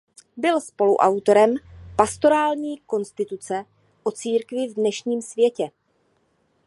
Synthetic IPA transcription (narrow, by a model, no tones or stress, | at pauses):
bɪlspo̞luʔawt̪o̞ɾɛmpast̪o̞ɾaːlɲiːko̞nst̪ɪt̪ut͡sɛ | ʔo̞t͡siːɾkvɪvdnɛʃɲiːmsvjɛcɛ